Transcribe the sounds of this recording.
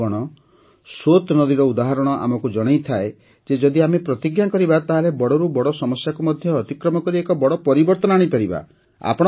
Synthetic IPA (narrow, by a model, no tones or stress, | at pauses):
ɔɽ̃ɔ | sot̪nɔd̪iɾɔud̪aɦaɾɔɽ̃ɔʔa̰mɔkud͡ʒɔɽ̃ejt̪ʰae | d͡ʒed͡ʒɔd̪iamepɾɔt̪iɡjakɔɾibat̪aɦalebɔɽɔɾubɔɽɔsɔmɔsjakumɔd̪ʱjɔːt̪ikɾɔmɔkɔɾiekɔbɔɽɔpɔɾibɔɾt̪ɔnɔaɽ̃ipɔɾiba̰ | a̰pɔɽ̃